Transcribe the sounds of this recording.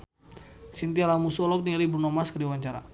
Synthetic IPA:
sint̪ialamusɔlɔk̚niɾiburnɔmaskəɾiwaɲt͡ʃaɾa̰

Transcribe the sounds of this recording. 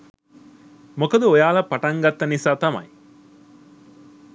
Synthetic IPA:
mokod̪uojaːlɐpːɐʈɐŋɡɐt̪ːɐnisaːt̪ɐmɐ̰j

